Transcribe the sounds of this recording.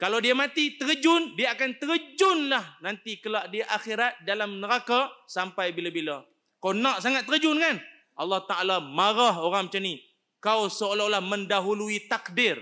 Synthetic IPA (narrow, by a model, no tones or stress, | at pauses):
kalawdiamat̪it̪əɣəd͡ʒʊndiaakant̪əɾəd͡ʒʊnlahnant̪ikəlaʔdiaʔaxiɾat̪̚dalamnəɾakasampajbilabila | kawnaʔsaŋat̪̚ːəɾəd͡ʒʊnkan | ʔɑlːɑht̪aalamaɾaɦoɾaŋmət͡ʃani | kawsəolaolahməndaɦuluit̪akdɪr